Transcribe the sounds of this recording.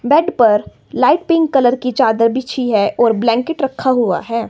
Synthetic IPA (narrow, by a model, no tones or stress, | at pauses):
bɛːɖpɐɾ | laːɪʈ̚pẽŋɡkɐləɾkit͡ʃaːd̪əɾbɪt͡ʃʰiɦɛʔɔːɾblɛ̃ːŋkɪʈɾɐkʰːaɦʊa̰ɦɛː